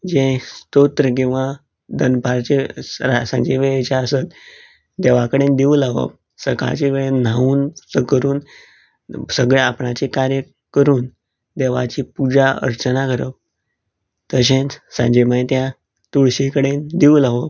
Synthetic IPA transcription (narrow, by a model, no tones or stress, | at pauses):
d͡ʑẽt̪ot̪ɾək̬ĩw̃ʋa | d̪ənpaɾt͡ɕeɾasã̰ɲd͡ʑeʋeet͡ɕaəsət̪ | d̪eʋakəɽend̪iulaʋə̰p | səkʰa̰t͡ɕeʋeɭen̤auːnsəkəɾuːn | səɡɭeapɳat͡ɕekaɾjə | kəɾuːn | d̪eʋa̰t͡ɕipud͡ʑaə̰ɾt͡ɕənakəɾə̰p̚ | t̪əɕ̬ẽnsã̰d͡ʑemə̃t̪ja | t̪uɭɕikəɽend̪iulaʋəp